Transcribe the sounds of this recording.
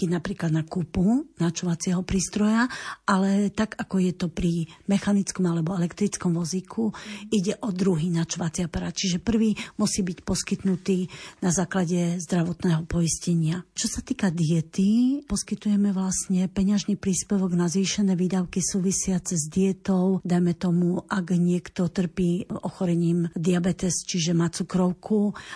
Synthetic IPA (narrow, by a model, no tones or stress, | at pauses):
kɛɟnapɾiːklad̪nakupunat͡ʃɔʋat͡sɪɛɦɔpɾiːst̪ɾɔjaʔalɛt̪aɡakɔjɛt̪ɔpɾimɛxanit͡skɔmalɛbɔɛlɛkt̪ɾit͡skɔmʋɔzikʰuiɟɛʔɔd̪ɾuɦiːnat͡ʃɔʋat͡siapaɾaːt̪̚t͡ʃiʒɛpr̩ʋiːmusiːbicpɔskit̪nut̪iːnazaːklaɟɛzd̪ɾaʋɔt̪nɛːɦɔpɔiscɛɲɪat͡ʃɔsat̪iːkad̪iɛt̪ipɔskit̪ujɛmɛʋlasɲɛpɛɲaʒnipɾiːspɛʋɔɡnazʋiːʃɛnɛːʋiːd̪aʊkisuːʋisɪat͡sɛzd̪iɛt̪ɔʊd̪ajmɛt̪ɔmuʔaɡɲɪɛkt̪ɔt̪r̩piːɔxɔɾɛɲiːmd̪iabɛt̪ɛst͡ʃiʒɛmat͡sukɾɔʊkʰu